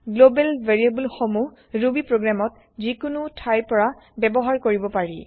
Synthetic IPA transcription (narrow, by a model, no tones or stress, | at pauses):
ɡlobɛlvʱeɹiebulxomu | ɹubipɹoɡɹamɔt̚ | zikʊnutʰajpɔɹa | bɛbɔɦaɹkoɹibɔpaɹḭ